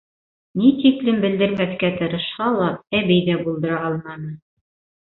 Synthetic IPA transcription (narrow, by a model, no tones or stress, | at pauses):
nit̪iklɘmbɘ̆ld̪ɘ̆ɾmæθkæt̪ɤ̆ɾɤ̆ʃhɑlˠɑp̚æβɘjðæbulˠd̪ɤ̆ɾɑɑlˠmɑnɤ